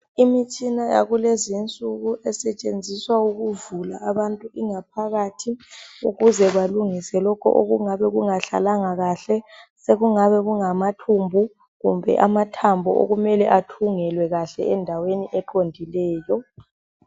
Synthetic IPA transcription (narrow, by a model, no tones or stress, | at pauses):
imit͡ʃʼinaja̰ɣulezint͡sʼuɣuʔɛsɛt͡ʃʼend͡zʱiswauɣuvula̰ʔːβantʼuiŋapʰaɣaːtʰiuɣuzɛβaluŋisɛlɔkʰɔ̰ʔo̰ɣuŋaβɛɣuŋaɬa̰laŋaɣaɬɛseɣuŋaβɛɣuŋamatʰumbʱu | ɣumbʱɛ̰ʔamatʰambʱɔ̰ʔo̰ɣumɛlɛʔatʰuŋɛlwɛɣaɬɛ̰ɛndʱaweniʔɛǃondʱilɛːjɔ